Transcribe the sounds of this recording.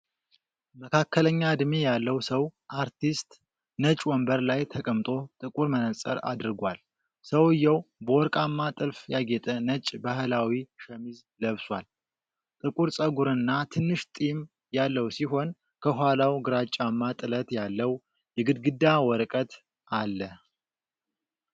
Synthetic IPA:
məkʰakːələɲːad̪mejalːəwsəwʔaɾt̪ʰist̪ | nət͡ʃʼwɔmbəɾlajt̪ʰəkʼəmt̪ʼo̞t̪ʼɨkʼuɾmənəsʼə̰ɾa̰d̪ɨɾɡʷal | səwɨjːɛwbəwɔɾkʼamːat̪ʼɨlfjaɡet̪ʼənət͡ʃʼbahɨlawiʃəmiz | ləβswa̰l | t̪ʼɨkʼuɾsʼəɡuɾɨnːat̪ʰɨnːɨʃt̪ʼim | jalːəwsiɦo̞n | kʰəɦʷwalawɡɨɾat͡ʃʼːamːat̪ʼɨlət̪jalːəw | jɛɡɨd̪ɡɨd̪ːawɔɾkʼət̪ | ʔalːə

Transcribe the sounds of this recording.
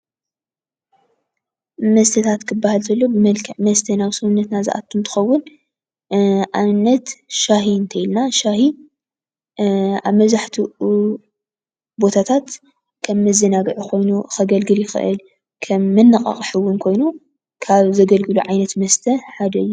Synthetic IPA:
mɐst̪ʰɐt̪ʰat̪kʰɨbːahalt̪ʰɐlːobɨmɐlkʰɐʕmɐst̪ʰɐnaβsɨhnːɐt̪nazɨ̰ʔa̰t̪ʰːumt̪ʰɨ̥xɐwːʊn | ʔanːɐt̪ʃahiɨnt̪ʰɐjilnaʃahi | aβmɐβzaħt̪ʰi | bo̞t̪ʰat̪ʰat̪ | kʰɐmːɨzɐnaɡɨʕukʰo̞jnuxɐɡɐlɡɨljɪxɨ̰ʔɨ̰l | kʰɐmːɨnːɨqʼɐ̰χʼħɨwːʊnkʰo̞jnu | kʰaβzɐɡɐlɡɨluʕajnɐt̪mɐst̪ʰɐħad̪ɐɨjːu

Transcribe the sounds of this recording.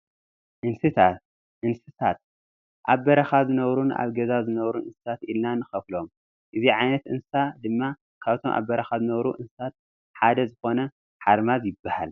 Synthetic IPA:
ʔɨnsɨt̪ʰat̪ | ʔɨnsɨt̪ʰat̪̚ | ʔaβbɐɾɐxazɨnɐβɾuna̰βɡɐzazɨnɐβɾunɨnsɨ̥t̪ʰat̪ilnanɨxɐflo̞m | ʔɨziʕajnɐt̪ɨnsɨsad̪ɨmːa | kʰaβt̪ʰo̞̰mʔa̰βbɐɾɐxazɨnɐβɾuʔɨnsɨ̥t̪ʰat̪̚ | ħad̪ɐzɨxo̞nɐ | ħaɾmazjɪbːaha̰l

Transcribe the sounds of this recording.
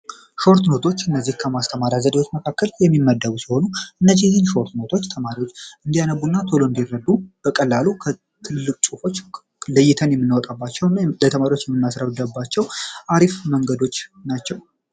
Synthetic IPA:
ʃo̞ɾt̪no̞t̪ʰo̞t͡ʃːɨnːəzːihkʰəmast̪ʰəmaɾjazəd̪ewo̞t͡ʃːməkʰakːəljɛmːimːəd̪əβusiho̞nuʔɨnːəzijhɨnʃo̞ɾt̪no̞t̪ʰo̞t͡ʃːt̪ʰəmaɾiwo̞t͡ʃːɨnd̪ijanəbːunːat̪ʰo̞loɨnd̪irːəd̪ːub̥əkʼəlːalukʰə | t̪ʰɨlːɨkʼt͡ʃʼufo̞t͡ʃː | ləjːɪt̪ʰənjɛmːɨnːawɔt̪ʼabːat͡ʃːɛwnːlət̪ʰəmaɾiwo̞t͡ʃːjɛmːɨnːjasɾaβd̪əbːat͡ʃːɛwʔaɾifməŋɡəd̪o̞t͡ʃːnat͡ʃːɛw

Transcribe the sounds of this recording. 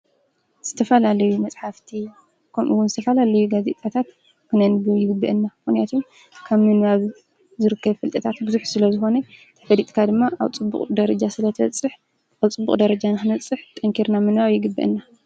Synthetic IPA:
z̥ɨt̪ʰɐfɐlalɐjumɐt͡sʼħaft̪ʰi | kʰɐmʔṵwʊnzɨt̪ʰɐfɐlalɐjuɡazet̪ʼat̪ʰat̪ | kʰɨnɐnbjɪɡɨbːɐ̰ʔɨnːamxnijat̪ʰom | kʰaβmɨnaβ | zɨɾɨkʰːɐβfɨlt̪ʼɐt̪ʰat̪bɨzuħsɨlɐzɨxo̞nɐt̪ʰɐ̥fɐd̪it̪ʼkʰad̪ɨmːaʔaβt͡sʼɨbːṵkqʼd̪ɐɾɐd͡ʒasɨlɐt̪ʰɐ̰t͡sʼɨħ | aβt͡sʼɨbːṵqʼd̪ɐɾɐd͡ʒanɨxɨnɐt͡sʼɨħt̪ʼɐŋkʰiɾnamɨnɾawjɪɡɨbːɐ̰ʔɨ̰nːa

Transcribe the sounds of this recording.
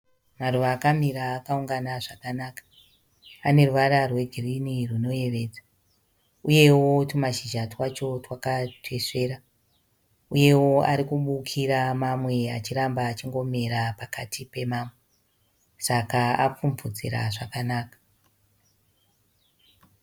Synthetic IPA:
maruʋaːkamiɾaːkauŋɡanaʐakanakḁ | ane̞ruʋaɾarwe̞ɡʱiriniruno̞je̞ʋe̞ːd͡za | uje̞wo̞tumaʃiʒatwat͡ʃo̞twakatʰwe̞ʂe̞ːɾa | uje̞wo̞a̰ɾikuɓukʰiɾamamwe̞at͡ʃirambaːt͡ʃiŋɡo̞me̞ɾapakatʰipe̞maːmwe | sakaa̰p͡fuɱvud͡zḭɾa̰ʐakanaːkḁ

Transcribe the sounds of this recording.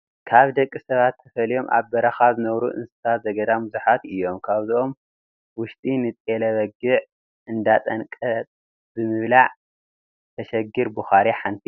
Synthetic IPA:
kʰaβd̪ɐkʼːisɐβat̪ʰːɐfɐlijo̞mʔa̰βbɐɾɐxaβzɨnɐβɾṵʔɨ̰nsɨ̥sat̪zɐɡɐd̪amuzuħat̪ɨjːo̞mkʰaβzɨʔo̞m | wʊʃt̪ʼinɨt̪ʼelɐβɐɡɨʕ | ʔɨnd̪at̪ʼɐnkʼɐt̪ʼ | zɨmɨβlaʕ | t̪ʰɐʃɐɡiɾbuxaɾiħant̪ʰi

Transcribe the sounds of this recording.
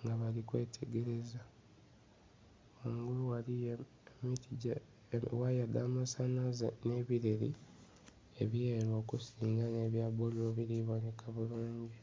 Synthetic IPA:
ŋɡaβalikwe̞ːtʰe̞ɡe̞ɾe̞za | oːŋɡuluwali | miti | wajadaːmasanazene̞ːβiɾeɾḭ | eβjeɾwo̞ːkusiːŋɡane̞ːβjabolo̞βiɾiβonekaβuluːɲɟi

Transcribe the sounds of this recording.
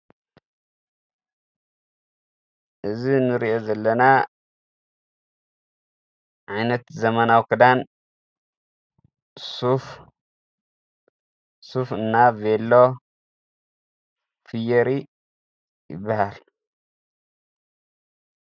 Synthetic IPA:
ʔɨzinɨɾiʔo̞zɐlːɐna | ʕajnɐt̪zɐmɐnawkʰɨd̪an | suf | sufɨnːavelːo̞ | fɨjɐɾi | jɪ̰bːahal

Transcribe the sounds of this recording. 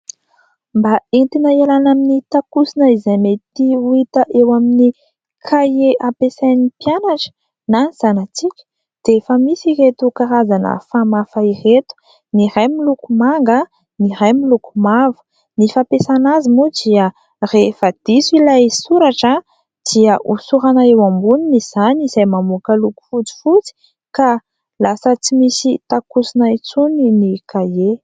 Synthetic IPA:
mbaent̪inaalanaminit̪akusinəizajmet̪iwit̪əʔewamini | kʰajeʔapesajnipianaʈ͡ʂə̥ | naz̥anat͡sikʲə̥ | d̪̥efəmisiret̪ukaɾazanə̰famafairet̪u̥ | niɾajmilukumaŋɡə | niɾajmilukumavə̥ | nifapesanazimud̪iə | refad̪̥isuilajsuɾaʈ͡ʂə | d̪̥iəʔusuɾanaewambuniniz̥aniz̥ajmamukaluku̥fut͡si̥fut͡si̥ | ka | lasət͡simisit̪akusinait͡suninikaje

